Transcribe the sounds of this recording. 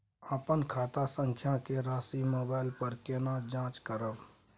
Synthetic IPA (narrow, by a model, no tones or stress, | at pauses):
əpənkʰaːt̪asə̃ŋkʰjakeɾaːsimoːbaːɪlpəɾkenad͡ʒãːt͡ʃkəɾəb